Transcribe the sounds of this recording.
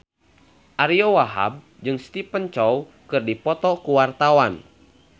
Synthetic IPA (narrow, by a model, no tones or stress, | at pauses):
ʔaɾiɔwaɦa̰b̚ | d͡ʒɨŋst̪ipənt͡ʃɔw | kɨrdipɔt̪ɔkuwart̪awan